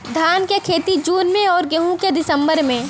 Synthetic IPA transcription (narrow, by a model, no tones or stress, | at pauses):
d̪ʱaːnkekʰeːt̪id͡ʒuːnmẽɔːɾɡeɦũked̪ɪsə̃mbəɾmẽ